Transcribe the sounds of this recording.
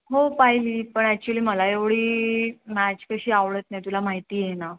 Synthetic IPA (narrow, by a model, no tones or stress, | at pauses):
ɦopaɦiliːpəɳæk̚t͡ɕuliːməlaeʋɽ̤iːmæt͡ɕkəɕiːaʋɭət̪najt̪ulam̤aɦit̪iːjena